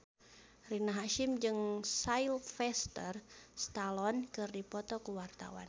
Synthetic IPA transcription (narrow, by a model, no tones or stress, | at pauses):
rinaɦaʃɪmd͡ʒɨŋsailfɛst̪ərst̪alɔnkɨrdipɔt̪ɔkəwart̪a̰wa̰n